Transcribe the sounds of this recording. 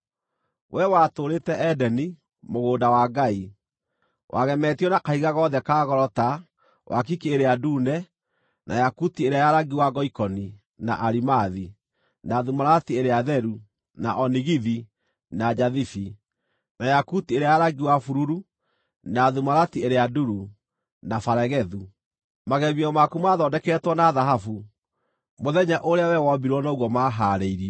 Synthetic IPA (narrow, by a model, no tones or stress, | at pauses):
wʔɛwatoːɾetɛʔɛdɛni | moɣoːdawaɡai | wʔa̰ɣɛmɛtiɔnakaiɣaɣɔðɛkaːɣɔɾɔta | wʔa̰k̬ikeeɾeadunɛ | nʔa̰jakutieɾeajaɾaɡiwaɡɔikɔni | naʔaɾimaði | naːðumaɾatieɾeaðɛɾu | naʔɔniɣiði | nad͡ʒaðifi | najakutieɾeajaɾaɡiwafuɾuɾu | naːðumaɾatieɾeaduɾu | nafaɾɛɣɛðu | maɣɛβiɔmakumaðɔdɛkɛtwɔnaðaɦafu | moðɛɲɛʔoɾeawɛwɔbiɾwɔnoɣwɔmaːɦaːɾeiɾi